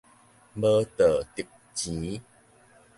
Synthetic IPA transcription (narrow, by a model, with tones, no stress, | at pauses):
bə˦t̪ə˨˩t̪i˨p̚ | t͡ɕĩ˨˦